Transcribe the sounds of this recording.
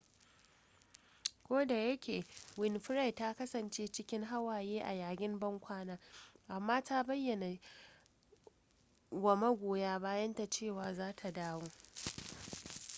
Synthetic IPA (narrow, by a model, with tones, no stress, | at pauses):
kʷoː˦da˨jɐ˦kʲeː˨wɪ˦nɸɪ˦ɾa˦˨jta˦kɐ˦sɐ˨nt͡ʃeː˦t͡ʃɪ˦kʲɪ˦ŋɦa˦waː˨jeː˦ʔa˨jaː˨ɡʲʼɪ˦mbɐ˦ŋkʷaː˦naː˦ʔa˨mːaː˦taː˦bɐ˦jːɐ˨na˨ | ɡɐ˨mɐ˦ɡʷoː˨jaː˦baː˦jɐ˦nta˨t͡ʃeː˦˨waː˨zaː˦tʰa˨daː˦woː˦